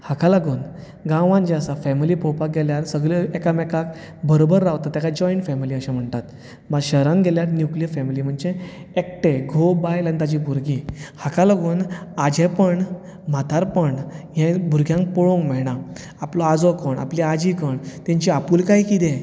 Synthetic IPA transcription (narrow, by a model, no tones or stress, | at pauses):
hakalaɡuːn | ɡãʋãnd͡ʑẽəsafɛmiliːpʰɔwpaɡeljaɾsəɡɭeekamɛkak | bəɾobəɾːawt̪at̪ːjakad͡ʑɔiɳʈfɛmiliəɕam̤əɳt̪at̪ | maɕəɦɾãnɡʱeljaɾnjuklijəɾfɛmiliːm̤əɳd͡ʑe | ek̚ʈeɡʱobajlə̃nd̪ad͡ʑibʱuɾɡihakalaɡuːnad͡ʑẽpəɳ | mat̪ʰaɾpəɳjɛ̃bʱuɾɡʱjãŋk̚pɔɭõŋɡmɛɭɽ̃a | aplɔad͡zɔkəɳʔa̰pliad͡ʑikəɳt̪ẽɲt͡ɕiapuːlkaikit̪ẽ